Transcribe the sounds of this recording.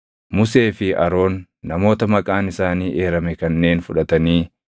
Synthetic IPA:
mʊse̞ːfɪɐ̰ɾo̞ːnː | ɐmo̞ːt̪ɐmɐkʼaːnɪsaːniːʔeːɾɐmɛkɐnːe̞ːnfʊᶑɐt̪ɐniː

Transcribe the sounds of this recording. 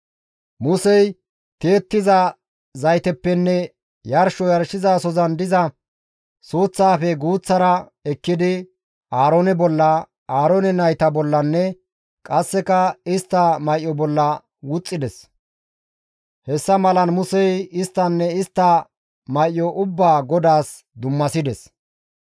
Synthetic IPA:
mʊsɛj | t̪eːt̪ːɪzɐ | zɐjt̪ɛpːɛnːɛ | jɐɾʃɔjɐɾʃɪzaːsɔzɐnd̪ɪzɐ | suːt͡sːaːfɛɡuːt͡sːɐɾɐ | ɛkːɪd̪ɪ | ʔaːɾonɛbɔlːɐ | aːɾonɛnɐjt̪ɐbɔlːɐnːɛ | kʼɐsːɛkɐɪst̪ːɐmɐjʔjɔbɔlːɐ | wʊt͡sʼːɪd̪ɛs | hɛsːɐmɐlɐnmʊsɛjɪst̪ːɐnːɛɪst̪ːɐ | mɐjʔjɔʔʊbːaːɡɔd̪aːs | d̪ʊmːɐsɪd̪ɛs

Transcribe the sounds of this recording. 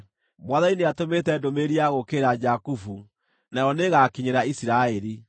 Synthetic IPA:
mwaðaineatometɛdomeɾiaɣokeɾad͡ʑakufu | naɔneɣakiɲeɾaisiɾaɛɾi

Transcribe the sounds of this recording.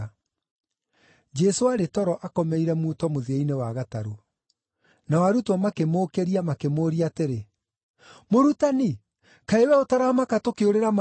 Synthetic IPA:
d͡ʒɛsoaɾetɔɾɔʔakɔmɛiɾɛmuːtɔmoðeeinewaɣataɾu | nawaɾutwɔmakemoːkeɾiamakemoːɾiateɾe | moɾutani | kaewɛotaɾamakatokeoɾeɾama

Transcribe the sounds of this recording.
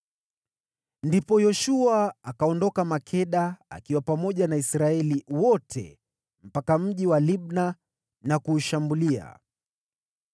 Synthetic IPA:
ndipɔjɔʃuaakaɔndɔkamakʰɛɗaa̰kiwapamɔʄanaisɾaɛliwɔtʰɛ̰ | m̩pakam̩ʄiwaliɓ̚na | nakuːʃambulia̰

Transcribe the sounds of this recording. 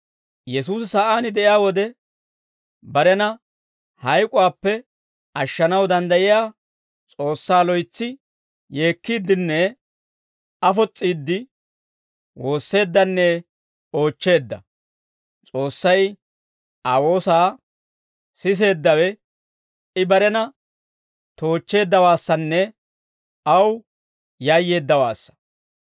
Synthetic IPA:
jɛsuːsɪsaːʔaːnɪd̪ɛʔɪjaːwɔd̪ɛ | bɐɾɛnɐ | hɐjkʼʊwaːpːɛ | ʔɐʃːɐnɐwd̪ɐnd̪ɐjɪjaː | t͡sʼo̞ːsːaːlɔjt͡sːɪ | jeːkːiːd̪ːɪnːɛ | ɐfɔt͡sʼːiːd̪ːɪ | wo̞ːsːe̞ːd̪ːɐnːɛ | o̞ːt͡ʃːe̞ːd̪ːɐ | t͡sʼo̞ːsːɐj | ʔawo̞ːsaː | sɪs̬e̞ːd̪ːɐwɛ | ɪbɐɾɛnɐ | t̪o̞ːt͡ʃːe̞ːd̪ːɐwaːsːɐnːɛ | ɐw | jajːe̞ːd̪ːɐwa̰ːsːɐ̥

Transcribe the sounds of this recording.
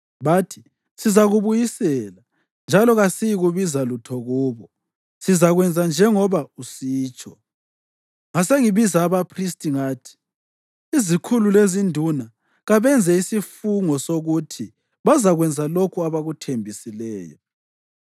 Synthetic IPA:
βatʰi̥ | sizaɣuβujisɛla | nd͡ʒʱalɔɣasijiɣuβizalutʰɔɣuːβɔ | sizaɣwɛnd͡zʱand͡ʒʱɛŋɔβausiːt͡ʃʰʼɔ | ŋaseŋiβizaːβapʰristʼiŋaːtʰi̥ | izikʰululezindʱuna | ɣaβɛnd͡zʱɛisifuŋɔsoɣutʰi | βazaɣwɛnd͡zʱalokʰuaβaɣutʰembʱisilɛːjɔ̰

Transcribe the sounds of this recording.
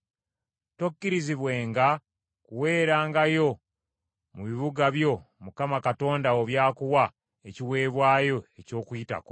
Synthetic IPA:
tokːiɾiziβwe̞ːŋɡa | kuwe̞ːɾaːŋɡajo̞ | muβiβuɡaβjo̞mukamakato̞ːndawoβjaːkuwa | eciwe̞ːβwaːjo̞e̞co̞ːkuita̰ko

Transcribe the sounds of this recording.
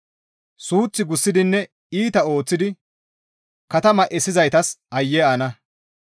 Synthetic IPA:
suːt͡sːɪɡʊsːɪd̪ɪnːɛ | iːt̪ɐo̞ːt͡sːɪd̪ɪ | kɐt̪ɐmɐʔɛsɪzɐjt̪ɐsɐjːɛaːnɐ

